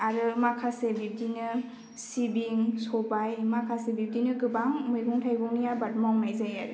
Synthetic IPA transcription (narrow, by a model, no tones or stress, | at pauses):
aɾɯmakʰasebib̚dinɯ | sibiŋsɔbajmakʰasebib̚dinɯɡɯbaŋmɯjɡuŋtʰajbɔŋnijabat̚mɔwŋmajzajaɾɯ